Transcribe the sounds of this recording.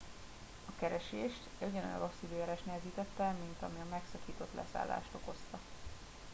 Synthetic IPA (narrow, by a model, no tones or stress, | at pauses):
ɒkɛɾɛʃeːʃt̪ɛɟɛno̰j̰ɾosiveːɾɛːʃt̪nɛɛziːt̪ɛt̪ːɛmint̪ɒmiɒmɛksɒkiːt̪o̞t̪lʔɛ̰sa̰ːlːa̰ːʃt̪o̞ko̞st̪ɒ